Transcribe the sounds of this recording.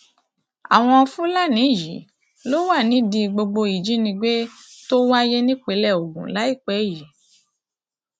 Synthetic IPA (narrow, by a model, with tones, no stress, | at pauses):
a̰˨w̃ɔ̃˧fũ˦la˦˨nĩ˨˦˨ji˨˦ | lo˦wa˦˨nĩ˨˦dĩ˧ɡ͡bo˧ɡ͡bo˧i˨d͡ʒi˨˦nĩ˧ɡ͡be˦to˦wa˦je˦nĩ˦k͡pe˨˦lɛ˦˨o˨ɡũ˨la˨˦i˦˨k͡pɛ˨˦i˨ji˨˦